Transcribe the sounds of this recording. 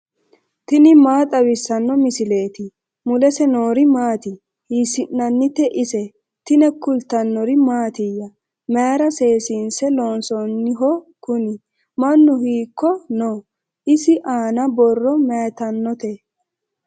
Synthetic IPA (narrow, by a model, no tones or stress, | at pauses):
t̪ɪnɪmaːt̪ʼɐbɪsːɐnːɔmɪsɪle̞ːt̪ɪ | mʊlɛsɛnoːɾɪmaːt̪ɪ | hiːsɪnːɐnːɪt̪ːɛʔɪsɛ | t̪ɪnɛkʊlt̪ːɐnːɔɾɪmaːt̪ɪjːɐ | meɾɐse̞ːsiːnsɛloːnsɔnːɪɦɔkʊnɪ | mɐnːʊhiːkːɔnoː | ʔɪsɪʔaːnɐbɔrːɔmɛːt̪ɐnːɔt̪ɛ